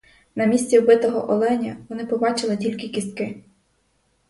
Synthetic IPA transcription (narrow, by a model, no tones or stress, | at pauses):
nɐmʲisʲt͡sʲibɪt̪ɔɦɔ̰ʔɔlˠɛnʲɐʋɔnɪpɔbɑt͡ʃɪlˠɪtʲilʲkɪkʲist̪̚kɪ